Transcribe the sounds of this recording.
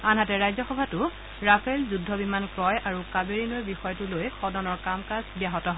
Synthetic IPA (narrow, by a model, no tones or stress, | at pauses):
anɦatɛɹajzɔxɔbʱatʊ | ɹapʰɛlzudʱːɔbimankɹɔjʔaɹukabeɹinojbixɔjɔtʊlojxɔdɔnɔɹkamkasbijaɦɔtɔɦɔ